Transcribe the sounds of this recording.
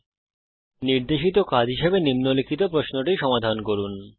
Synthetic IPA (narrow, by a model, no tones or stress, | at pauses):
niɾd̪eʃit̪okad͡ʑɦiʃebenimnolikʰit̪̬opɾosnoʈiʃɔmad̪ʱankoɾun